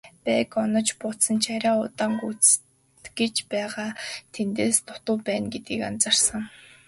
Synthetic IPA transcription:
pæːkɔnɞ̆t͡ɕpʊt̪sə̆nt͡ɕʰaɾʲaːʊt̪aːŋɡut͡s | t̪ɡet͡ɕpæːʁaːt̪ʰent̪eːst̪ʰʊ̥t̪ə̆ːpæːnɡet̪ɡiːkant͡sarsə̆ŋ

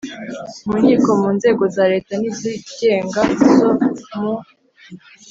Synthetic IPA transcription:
muːɲiːko̞muːnze̞ːɡo̞zaɾe̞ːtaniziɡe̞ːŋɡazomu

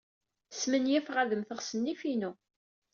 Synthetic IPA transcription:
smənjæfʁæðəmθəʁsənːifinu

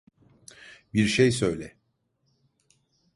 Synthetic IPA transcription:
biɾʃejsø̞jlʲɛ

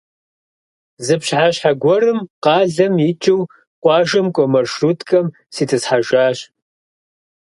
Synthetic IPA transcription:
zɨpɕħaɕħaɡʷɔɾɨmqɑːɮɐmjit͡ʃʼɪw | qʷʼɑːʒɐmkʷʼɔmɐrʂrutʰkʼɐm | siːtʰɨsħaʒaːɕ

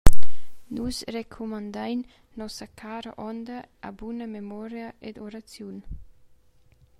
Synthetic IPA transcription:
nusrekʰumand̪ajnː | ɔsɐkʰaːɾaʔɔnd̪ə̰ːbunəmemɔɾjaed̪oɾat͡sjun

